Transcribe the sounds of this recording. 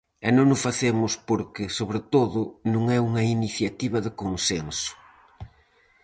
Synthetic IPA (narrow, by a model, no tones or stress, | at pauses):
ɛnõnʊsfaθemʊspoɾkɪsoβɾɪt̪oðʊnũŋɛuŋɐiniθjat̪iβɐðɪkoŋsensʊ̥